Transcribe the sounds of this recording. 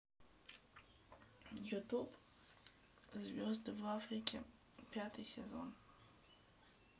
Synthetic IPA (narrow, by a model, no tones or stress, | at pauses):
jutʰupʼ | zvʲozdvafrikʲʰʼe | pʰʲatʰɨsʲezo̰n